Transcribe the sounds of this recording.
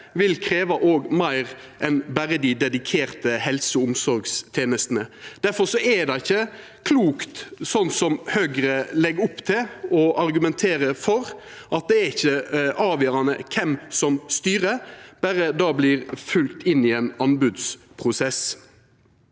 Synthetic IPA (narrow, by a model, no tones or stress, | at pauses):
ʋɪlkʰɾeːʋɑʔoːɡmæɪʁ | ʔɛnbæɾəd̪ɪd̪ɛd̪ɪkʰeːʁt̪əhɛlsəʊmsɔɾɡst̪ʰeːnəst̪nəd̪̥æɾfɔɾsɔɛd̪ɛɪɪçːə | kʰluːkt̪sɔnsɔmhøːɡɾəlɛɡʊpt̪ʰɪlɔʔɑɾɡʉmɛnt̪ʰeːɾəfɔɾ | ʔɑt̪̚d̪ɛæɾɪçːəʔɑːʋjøːɾɑnə̰kʰɛmsɔmst̪yːɾəb̥æɾəd̪ɑːbliːʁfʉlt̪ɪnɪɛnɑnbʉd̪s | pʰʁʊsɛs